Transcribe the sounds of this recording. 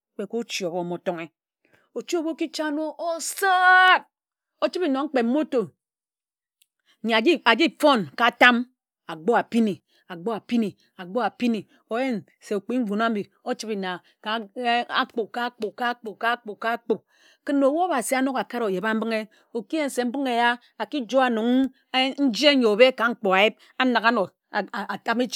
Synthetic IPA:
k͡pe˨ko˦t͡ʃi˨o˨bo˨mo˨to˦ŋe˦ | o˨t͡ʃi˦o˦bo˦ki˦t͡ʃa˦no˦o˦sa˦˨t̚ | o˦t͡ʃi˦pi˦no˨ŋ͡m̩˦k͡pe˨m̩˦o˦to˨ | ɲa˨d͡ʒa˨d͡ʒi˦fo˦nka˨ta˦m | a˨ɡ͡bo˦a˨pi˦ni˨ | a˨ɡ͡bo˦a˨pi˦ni˨ | a˨ɡ͡bo˦a˨pi˦ni˨ | o˨je˦n | se˨o˨k͡pi˦m̩˦vu˨n˦a˦bi˨ | o˦t͡ʃi˦bi˨na˨ | ka˨˦a̰˦k͡po˨ka˦k͡po˨ka˦k͡po˨ka˦k͡po˨ka˦k͡po˨k̚ | ke˦nːo˨wo˦o˦ba˨si˨a˦no˦ka˨ka˦ɾo˨je˨ba˦m̩˦bɨ˦ŋe˦ | o˨ki˦e˦n̩˨se˨m̩˦bɨ˦ŋe˨ja˦ | a˨ki˦d͡ʒo˦a˨nu˨ŋ˦ | n̩˦d͡ʒe˦ɲo˨be˦ka˨ŋ͡m̩˦k͡po˨a˨je˦b̚ | a˦na˨ka˦no˨ | a˨ta˦me˦t͡ʃ

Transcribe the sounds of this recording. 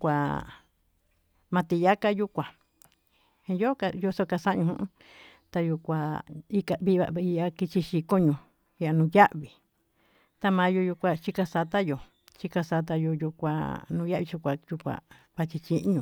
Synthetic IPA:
kʷa˧ | mã˧t̪i˧ja˦ka˦ju˦kʷã˨ | ĩ˧jo˦ka˧jo˧so˧ka˧sa˦ʔɲũ˧ũ˧ʔ | t̪a˧ju˧kʷa˧i˧ka˧βi˧βa̰˧˨˧i˧a˧ki˧t͡ʃi˧ʃi˧ko˦ɲũ˧ | i˧a˧nũː˧ja˦ʔβi˨ | t̪a˧mã˧˦jo˧ju˧kʷa˧t͡ʃi˧ka˧sa˧t̪a˦jo˨ | t͡ʃi˧ka˧sa˧t̪̬a˧jo˧ju˧kʷa̰˧nũː˧˦ja˦ʔβi˧t͡ʃi˧kʷa˨ju˧kʷa̰˨ | βa˧t͡ʃi˧t͡ʃi˦ʔɲũ˧

